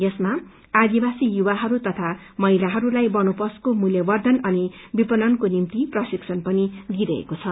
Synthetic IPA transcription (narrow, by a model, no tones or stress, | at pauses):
jʌsma | ad̪ibasijuwaɦʌɾut̪ʌt̪ʰa | mʌɦilaɦʌɾulajbʌnupʌskomuljʌbʌrd̪ʱʌnʌnibipʌnʌnkonimt̪iprʌsiksʰʌnpʌnid̪iɾʌḛkot͡sʰʌ